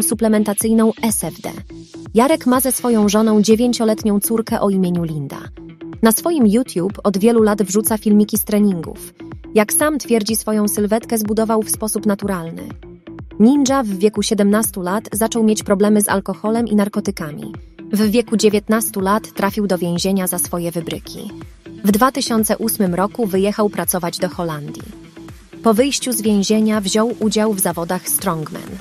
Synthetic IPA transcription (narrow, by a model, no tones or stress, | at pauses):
suplɛmɛnt̪at̪sɘjnɔ̃w̃ɛsɛvd̪ɛ̰ | jaɾɛkmazɛsfɔjɔ̃w̃ʐɔnɔ̃w̃d͡ʑevʲjeɲt͡ɕɔlɛt̪ɲɔ̃w̃t̪suɾkɛʔɔimʲjeɲulʲind̪a̰ | nasfɔjimjut̪ʲjupɔd̪vʲjɛlulad̪vʐut̪safʲilmʲikʲist̪ɾɛɲiŋɡṵfjaksamt̪fʲjɛɾd͡ʑisfɔjɔ̃w̃sɘlvɛt̪kɛzbud̪ɔvawfspɔsupn̪at̪uɾalnɘ̰ | ɲind͡ʐavːʲjɛkuɕɛd̪ɛmnast̪ulat̪zat͡ʂɔ̃wmʲjet͡ɕpɾɔblɛmɘza̰lkɔxɔlɛmʔḭnaɾkɔt̪ɘkamʲḭvːʲjɛkud͡ʑevʲjɛt̪nast̪ulat̪ːɾafʲiwd̪ɔvʲjẽw̃ʑeɲazasfɔjɛvɘbɾɘ̰kʲʰḭvd̪vat̪ɘɕɔnt̪sɛʔusmɘmɾɔkuvɘjɛxawpɾat̪sɔvad͡ʑd̪ɔxɔland̪ʲjḭ | pɔvɘjɕt͡ɕuzvʲjẽw̃ʑeɲavʑɔwʔud͡ʑawvzavɔd̪axst̪ɾɔŋɡmɛ̰n